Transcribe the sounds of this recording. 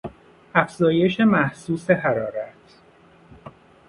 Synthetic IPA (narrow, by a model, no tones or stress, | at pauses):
æfz̥ɒːje̞ʃe̞mæhsuːse̞ɦæɾɒːɾæt̪ʰ